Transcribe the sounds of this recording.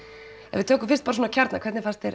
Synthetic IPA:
ɛ̰vɪt̪ʰɛːkʏmfɪrst̪̚paɾs̬oːnacʰaɾt̪nakʰvɛɾt̪nɪfast̪ɛɾ

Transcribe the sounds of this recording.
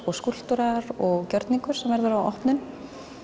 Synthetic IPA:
ɔɣskul̥t̪uɾaɾɔɣcœɾt̪niŋkʏɾ̥sɛmvɛɾðʏɾawɔ̰hpnʏn

